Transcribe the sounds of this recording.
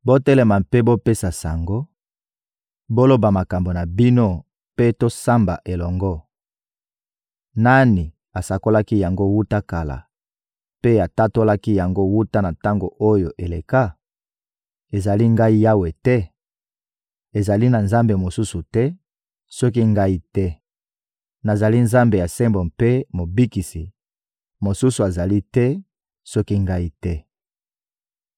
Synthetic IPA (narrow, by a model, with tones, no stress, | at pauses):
bo˦tɛ˦lɛ˨ma˨pe˦bo˦pe˦sa˨sa˨ŋɡo˦ | bo˦lo˦ba˨ma˨ka˨mbo˨na˨bi˦no˦ | pe˦to˦sa˦mba̰˨ʔe˨lɔ˨ŋɡɔ˦ | na˦ni˨ | a˨sa˨ko˦la˦ki˦ja˨ŋɡo˦wu˦ta˦ka˨la̰˨ | pe˦a˨ta˦to˦la˦ki˦ja˨ŋɡo˦wu˦ta˦na˨ta˦ŋɡo˨ʔo˦jo˨ʔe˨le˨ka˦ | e˨za˨li˦ŋɡa˦i˦ja˦we˨tɛ˦ | e˨za˨li˦na˨nza˦mbe˨mo˨su˦su˨tɛ˦ | sɔ˦k̬i˦ŋɡa˦i˦tɛ˦ | na˨za˨li˦nza˦mbe˨ja˨se˦mbo˨mpe˦mo˨bi˦ki˨si˨ | mo˨su˦su˨a˨za˨li˦tɛ˦ | sɔ˦ki˦ŋɡa˦i˦tɛ˦